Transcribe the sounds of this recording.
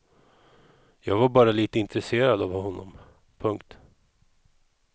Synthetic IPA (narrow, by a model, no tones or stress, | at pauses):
jɑːɡvaɾbɑːɾaliːt̪əɪnt̪ɾɛseːɾad̪avhɔnːɔ̰m | pʰɵŋkt̪